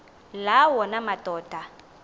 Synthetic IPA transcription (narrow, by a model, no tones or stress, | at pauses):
lawɔnamatʼɔːtʼa